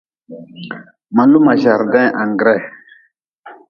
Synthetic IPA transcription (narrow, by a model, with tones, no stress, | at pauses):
ma˨lu˦ma˨ʒa˨ɾdɛ̃˦ʔã˨ŋɡɾɛ˦˨